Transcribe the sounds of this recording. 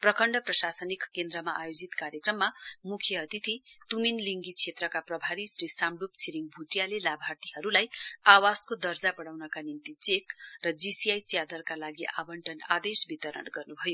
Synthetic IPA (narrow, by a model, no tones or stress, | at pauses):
prʌkʌɳɖʌprʌsasʌnikːend̪ɾʌmaʔajod͡zit̪kaɾjekrʌmːamukʰjʌʌt̪it̪ʰit̪uminliŋɡit͡sʰet̪rʌkaprʌbʱaɾisɾisamɖup̚t͡sʰiɾiŋɡbʱuʈjalelabʱart̪iɦʌɾulajawaskod̪ʌrd͡zapʌɽawnʌkanimt̪it͡sekrʌd͡zisijajt͡sjad̪ʌrkalaɡiʔa̰bʌɳʈʌna̰d̪esbit̪ʌɾʌ̰nɡʌrnubʱʌjo